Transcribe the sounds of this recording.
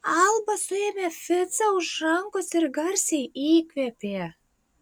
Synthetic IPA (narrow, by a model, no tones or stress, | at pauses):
ɑlbɑsemefɘt͡sɑuʃɑŋkoserɡɑrsʲijikvepe